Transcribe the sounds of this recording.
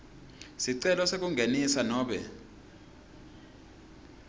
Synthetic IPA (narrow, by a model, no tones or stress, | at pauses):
siǀɛlɔsek̬uŋɡʱenisanɔːɓɛ̰